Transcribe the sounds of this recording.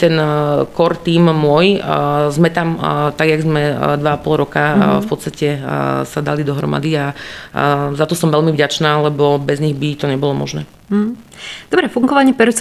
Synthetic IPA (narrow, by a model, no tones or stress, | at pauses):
t̪ɛnkɔɾt̪iːmmʊɔjzmɛt̪amt̪aɡjaɡzmɛd̪ʋaapɔlˠɾɔkafpɔt̪st̪acɛsad̪a̰lid̪ɔɦɾɔ̰ma̰d̪ia | zat̪ɔsɔmʋɛlmivɟat͡ʃnaːlɛbɔbɛzɲiɣbit̪ɔɲɛbɔlɔmɔ̰ʒnɛ̰ː | d̪̥ɔbɾɛfuŋɡɔʋaɲɛpɛɾt͡s